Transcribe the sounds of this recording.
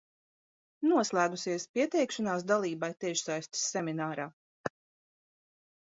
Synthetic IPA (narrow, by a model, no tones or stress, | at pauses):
nuɔslˠæːɡusiɛspiɛt̪ɛjkʃanaːs̬d̪alˠiːbajt̪ɛʃsajst̪sːɛmʲinaːɾaː